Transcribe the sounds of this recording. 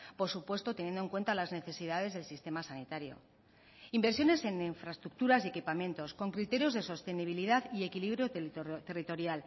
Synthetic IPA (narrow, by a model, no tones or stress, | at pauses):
po̞ɾsupwe̞st̪o̞t̪enje̞nd̪oe̞ŋkwe̞nt̪alazne̞θe̞siðaðe̞zðe̞lsist̪e̞masanit̪aɾjo̞̰ | imbe̞ɾsjo̞ne̞se̞niɱfɾaest̪ɾuk̚t̪uɾasie̞kipamje̞nt̪o̞sko̞ŋkɾit̪e̞ɾjo̞zðe̞so̞st̪e̞niβ̞iliðaðie̞kiliβ̞ɾjot̪erit̪o̞ɾjal